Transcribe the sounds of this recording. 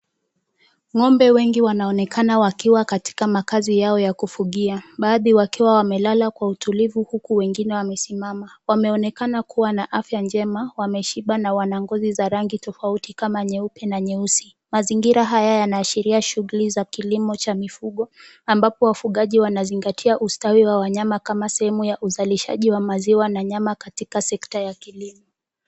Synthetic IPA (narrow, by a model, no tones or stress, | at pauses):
ŋɔmbɛwɛŋɡiwanaɔnɛkanawakiwakati̥kamakazijaɔjakufuɠiaɓaːðiwakiwawamɛlalakwautʰulivuhukuwɛŋɡinɛwamɛsimamawamɛɔnɛkanakuwanaʔafjand͡ʒɛmawamɛʃiɓanawanaŋɡɔzizaɾaŋɡitɔfautikamaɲɛupɛnaɲɛusi | maziŋɡiɾaɦajajanaːʃiɾiaʃuɣulizakilimɔt͡ʃamifuɠɔ | ambapɔwafuɠaʄiwanaziŋɡatʰiaʔustawiwawaɲamakamasɛhɛmujaʔuzaliʃa̰ʄiwamaziwanaɲamakatikasɛktajakilimɔ